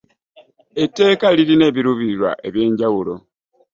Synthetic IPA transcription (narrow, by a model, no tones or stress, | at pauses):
e̞tːe̞ːkaliɾine̞ːβiɾuβiɾwa̰ʔe̞βje̞ːɲɟawulo̞